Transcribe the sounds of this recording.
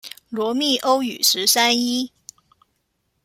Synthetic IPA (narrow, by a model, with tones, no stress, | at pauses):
lwɔ˧˥mi˥˩ʔo˥ʊy˨˩ʂɻ̩˧˥sa˥ni˥